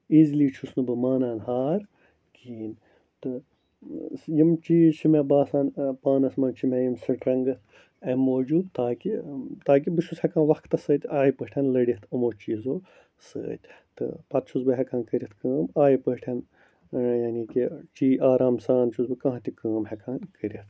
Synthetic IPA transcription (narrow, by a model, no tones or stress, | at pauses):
iːzliːt͡ʃʰusnubɨmaːnaːnhaːɾ | kʰiːn | t̪ɨ | jimt͡ʃiːzt͡ʃʰimebaːsaːnpaːnɐsmɐnt͡ʃʰimejimsɐʈɾɐŋɡɐt̪ʰ | ɐmoːd͡ʒuːd̪t̪aːkit̪aːk̬ibiʃushɛkãːnʋɐkkt̪ɐsəːt̪ʲaːjipəːʈʰʲɐnlɐɽit̪ʰɨmoːt͡ʃiːzoː | sə̰ːt̪ʲt̪ɨ̰pɐt̪̚t͡ʃʰuzbɨɦɛkãːnkəɾʲit̪kəːmaːjipəːʈʰɐn | janiːkit͡ʃiːaːɾaːmsaːnt͡ʃʰuzbɨkãːɦt̪ʲikəːmhɛkʰaːnkəɾit̪ʰ